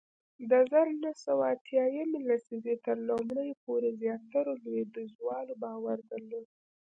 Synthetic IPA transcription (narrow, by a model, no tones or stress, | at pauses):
d̪azaɾnahsawaat̪jɑjamelasizet̪əɾlamɽəjpoɾezjɑt̪aɾolwed̪əzwɑlobɑwaɾd̪əɾlod̪̚